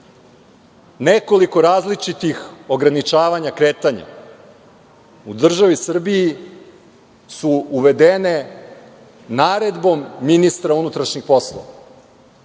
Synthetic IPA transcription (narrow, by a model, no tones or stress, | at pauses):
neko̞liko̞ɾaːzlit͡ʃit̪ixo̞ɡɾanit͡ʃaːʋaɲakɾeːt̪aɲa̰ | ud̪r̩ʒaʋisr̩biji | suuʋe̞d̪ene̞ | naːɾe̞d̪bo̞mːinist̪ɾaunut̪ɾaʃɲixpo̞slˠo̰ʋa